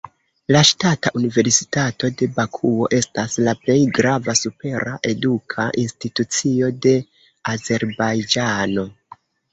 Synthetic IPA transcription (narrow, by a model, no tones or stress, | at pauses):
laʃtataʔunive̞ɾsi̥tato̞de̞bakʰuo̞ʔe̞staslaple̞jɡɾavasupe̞ɾaʔe̞dukʰaʔinstitut͡sio̞de̞ | aze̞ɾbajd͡ʒano̞